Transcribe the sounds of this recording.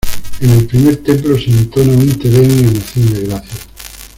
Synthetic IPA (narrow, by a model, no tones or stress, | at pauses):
ene̞lpɾimeɾt̪emplosint̪onamĩnt̪eβeniamaθjond̪eɣɾaθja